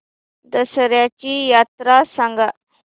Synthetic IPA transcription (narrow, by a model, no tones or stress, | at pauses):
d̪əsəɾjat͡ɕijat̪ɾasaŋɡa